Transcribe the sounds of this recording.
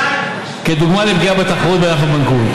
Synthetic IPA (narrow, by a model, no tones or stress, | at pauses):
ked̪uɡmalibɡiabet̪aχʁut̪̚beʁaχabaŋku